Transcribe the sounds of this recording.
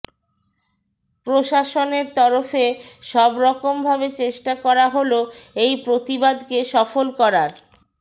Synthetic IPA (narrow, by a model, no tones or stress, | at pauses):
pɾoʃaʃoneɾt̪ɔɾofeʃɔbɾɔkombʱabet͡ɕeʃʈakɔɾaɦoloejpɾot̪ibad̪keʃɔfolkɔɾaɾ